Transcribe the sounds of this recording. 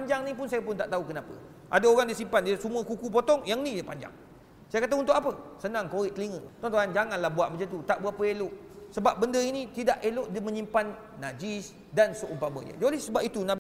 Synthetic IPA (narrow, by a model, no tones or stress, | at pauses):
paɲd͡ʒaŋnĩp̬ʊnsajap̬ʊnt̪aʔt̪aukənapə̰ | ʔa̰daoɾaŋdiəsimpandiəsəmũəkukup̬ɔt̪ɔŋjaŋnĩjapaɲd͡ʒa̰ŋ | sajakat̪aunt̪ʊʔkapəsənãŋkoɾɪʔk̪əliŋə̃t̪ɔŋt̪oand͡ʒaŋanlahbuaʔməd͡ʒət̪ut̪aʔbuaʔpəeloʔ | səbap̚bəndəinĩt̪idaʔeloʔdəmə̃ɲimpanː | ad͡ʒis | dansoʔumpamə̰ɲə̰̃d͡ʒlɛsəbap̚it̪unã